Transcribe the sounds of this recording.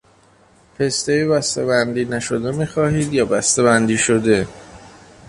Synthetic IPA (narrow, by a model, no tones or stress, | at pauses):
pʰe̞st̪ejebæst̪ebænd̪iːnæʃo̞d̪emiːxɒːhiːd̪jɒːbæst̪ebænd̪iːʃod̪e̞